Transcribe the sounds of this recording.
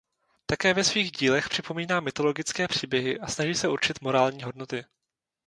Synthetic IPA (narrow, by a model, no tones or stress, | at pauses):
t̪akɛːvɛsviːɣɟiːlɛxpr̥ɪpo̞miːnaːmːɪt̪o̞lo̞ɡɪt͡skɛːpr̝̥iːbjɛɦɪʔasnaʒiːsɛʔuɾt͡ʃɪt̪mo̞ɾaːlɲiːɦo̞dno̞t̪ɪ